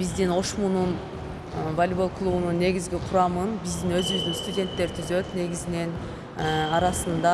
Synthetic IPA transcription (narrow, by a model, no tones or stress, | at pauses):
b̥izd̪ino̞ʃmunun | volʲbolˠklˠuβununːe̞ɡʲizɡʲiqʰuɾɑmɯnbizd̪inø̞zyβyzd̪ynst̪udʲe̞nt̪ːe̞ɾt̪ʰyzø̞t̪ne̞ɡizine̞n | ɑɾɑsɯnd̪ɑ